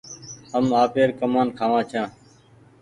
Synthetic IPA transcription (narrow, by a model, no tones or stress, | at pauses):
ɦəmaːpeːɾkəmaːnkʰaːʋãːt͡ʃʰãː